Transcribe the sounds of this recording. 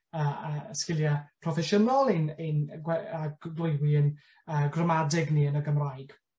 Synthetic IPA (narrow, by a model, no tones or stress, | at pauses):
əːaəskɪlˠjapʰrɔfɛʃənɔlˠinɪnɡwɛḁɡlˠʊjwiən | əːɡrəmadɪɡniənəɡəmrajɡ̥